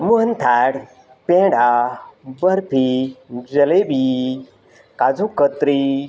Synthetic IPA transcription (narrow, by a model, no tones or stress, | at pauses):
muɦənt̪ʰaɽ | pẽːɖabəɾpʰid͡ʒɐlebi | kad͡zukət̪ɾi